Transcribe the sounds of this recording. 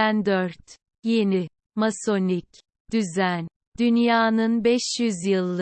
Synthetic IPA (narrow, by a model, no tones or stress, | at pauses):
ænd̪œɾt̪ | jeni | maso̞nic | d̪̥yzæn | d̪̥ynjaːnɯnbɛʃjyzjɯlˠːɯ